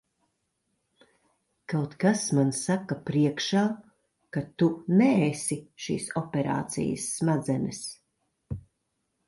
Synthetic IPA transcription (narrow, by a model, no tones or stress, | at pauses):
kawt̪kasmansakɐpɾiɛkʃaː | kat̪unɛːsiʃḭːsɔpʲɛɾa̰ːt̪sḭjə̰sːmad̪zɛnɛs